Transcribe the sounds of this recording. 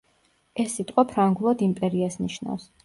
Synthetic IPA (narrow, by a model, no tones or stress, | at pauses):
ɛsːit̪ʼqʼwapʰɾaŋɡulˠad̪impʼɛɾiasniʃna̰fs